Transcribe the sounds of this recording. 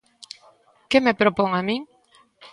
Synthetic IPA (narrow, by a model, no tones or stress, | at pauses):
kemepɾopoŋamĩŋ